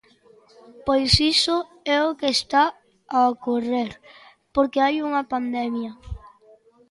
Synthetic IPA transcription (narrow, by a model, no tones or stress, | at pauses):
pojsisʊ | ɛokeːst̪a | aokoreɾ | poɾkeajuŋɐpand̪ɛmjɐ